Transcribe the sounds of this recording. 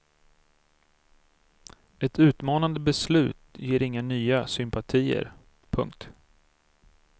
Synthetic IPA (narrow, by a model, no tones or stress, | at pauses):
ɛt̪ʉ̟ːt̪mɑːnand̪əbɛslʉ̟̰ːt̪jeːɾɪŋːanyːasʏmpat̪ʰiːə̰ɾ | pʰɵ̰ŋkt̪